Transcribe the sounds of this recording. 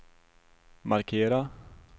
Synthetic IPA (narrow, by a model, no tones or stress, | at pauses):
maɾkʰeːɾa